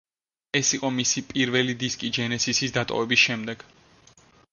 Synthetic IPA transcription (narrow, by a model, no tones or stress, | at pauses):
ɛsiqʼɔmisipʼiɾvɛlid̪iskʼid͡ʒɛnɛsisisd̪at̪ʼɔ̰vɛbisʃɛmd̪ɛɡ̥